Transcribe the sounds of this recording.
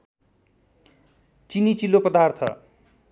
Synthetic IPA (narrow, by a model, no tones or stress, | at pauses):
t͡sinit͡silːopʌd̪art̪ʰʌ̰